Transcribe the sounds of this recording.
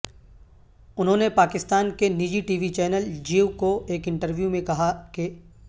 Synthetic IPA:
ʊnɦõːnepaːkɪst̪aːnkenid͡ʒiʈiːʋit͡ʃɛːnəld͡ʒiːʋkoeːkɪ̃ɳʈəɾʋjumẽkɐɦake

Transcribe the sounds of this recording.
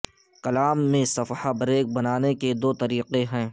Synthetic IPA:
kɐlaːmːẽsɐfhabɐɾeːk̚bɐnaːneked̪oːt̪ɐɾiːqeɦɛ̃ː

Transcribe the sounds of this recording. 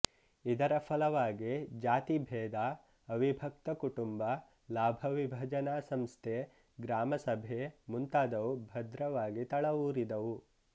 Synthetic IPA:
id̪ɐɾɐpʰɐlɐʋaːɡid͡ʒaːt̪ibʱɛːd̪aː | ɐʋibʱɐk̚t̪ɐkuʈumbɐ | laːbʱɐʋibʱɐd͡ʒɐnaːsɐmst̪ʰe | ɡɾaːmɐsɐbʱemunt̪aːd̪ɐʋubʱɐd̪ɾɐʋaːɡit̪ɐɭɐʋuːɾid̪ɐʋu

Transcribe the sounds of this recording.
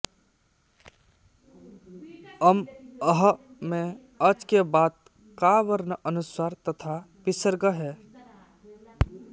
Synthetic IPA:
əməɦəmẽ | əd͡ʒkebaːt̪̚ | kaːʋəɾnəʔənʊsaːɾt̪ət̪ʰa | pɪsəɾɡəɦɛː

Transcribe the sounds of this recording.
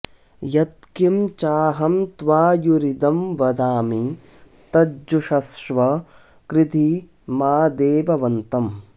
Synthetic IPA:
jɐt̪̚kimt͡ʃaːɦɐmt̪ʋaːjuɾid̪ɐmʋɐd̪aːmi | t̪ɐd͡ʒuʃɐsʂʋɐ | kɾɪt̪i | maːd̪eːbɐʋɐnt̪ɐm

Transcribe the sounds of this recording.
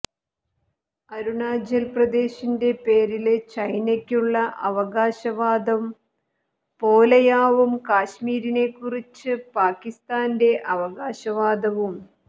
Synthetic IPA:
ɐɾuɳaːd͡ʑɐlprɐd̪e̞ːɕinde̞pe̞ːɾilet͡ɕɐjnɐkʲːuɭːɐʔɐʋɐɣaːɕɐʋaːd̪ɐm | po̞ːlɐjaːʋumkaːɕmiːɾine̞kːurit͡ɕːɨpaːkːist̪aːnde̞ʔɐʋɐɣaːɕɐʋaːd̪ɐʋum

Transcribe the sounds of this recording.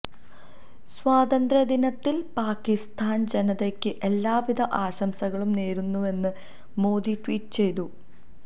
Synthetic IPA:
swaːd̪ɐnd̪ɾɐd̪inɐt̪ːilpaːkːist̪ʰaːnd͡ʑenɐðekʲːɨʔelːaːʋid̪ʱɐʔaːɕɐmsɐɣɐɭumneːɾunːue̞nːɨ | mo̞ːd̪iʈʋiːʈːɨt͡ɕe̞jt̪u

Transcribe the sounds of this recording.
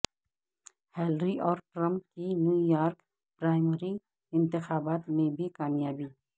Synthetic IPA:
hɛːlɾiʔɔːɾʈɾə̃mpkinjuːjaːɾk | pɾaːɪməɾi | ɪ̃nt̪ɪxaːbaːt̪mẽbʱikaːmjaːbiː

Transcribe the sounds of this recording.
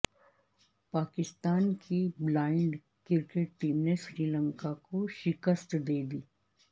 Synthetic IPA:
paːkɪst̪aːnkʰiblaːɪ̃ɳɖ | kɪɾkeʈʈiːmneʃɾiːlə̃ŋkakoʃɪkəst̪d̪eːd̪iː

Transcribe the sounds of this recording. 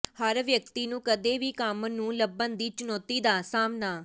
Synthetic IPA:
həɾʋjək̚t̪iːnũːkəd̪eːʋiːkəmnũːləbənd̪iːt͡ʃʊnɔːt̪iːd̪aːsaːmnaː

